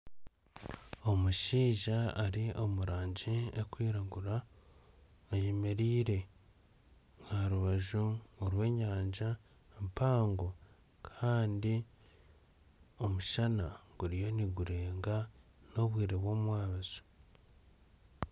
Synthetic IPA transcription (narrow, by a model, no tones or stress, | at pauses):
o̞muʃiːʒaːɾiʔo̞muɾaːɲɟiekwiːɾaɡuɾa | aje̞me̞ɾiːɾe̞ | ŋaɾuβaʒuːɾwe̞ːɲaːɲd͡ʒa | empaːŋɡo | kʰaːndi | o̞muʃanaɡ̥uɾijo̞niɡuɾe̞ːŋɡa | no̞βwiːɾeβwo̞ːmwaːβazo̥